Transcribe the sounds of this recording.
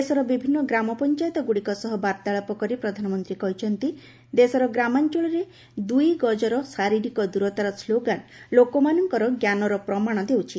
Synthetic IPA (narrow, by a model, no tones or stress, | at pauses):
d̪esɔɾɔbibʱinːɔɡɾamɔpɔnt͡ʃajt̪ɔɡuɽikɔsɔɦɔbaɾt̪aɭɔpɔkɔɾipɾɔd̪ʱanɔmɔnt̪ɾikɔɦit͡ʃʰɔnt̪i | d̪esɔɾɔɡɾamant͡ʃɔɭɔɾe | d̪ujɡɔd͡ʒɔɾɔsaɾiɖikɔd̪uɾɔt̪aɾɔsloɡanlokɔmanɔŋkɔɾɔɡjanɔɾɔpɾɔmaɽ̃ɔd̪ewt͡ʃʰi